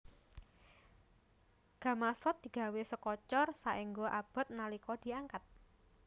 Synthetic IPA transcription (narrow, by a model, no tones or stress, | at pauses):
ɡ̥a̤masɔt̪̚d̪̥i̤ɡ̥a̤wesəkɔt͡ʃɔrsaʔiŋɡoʔab̥ɔ̤t̪̚nalikɔd̪̥i̤aŋkat̪̚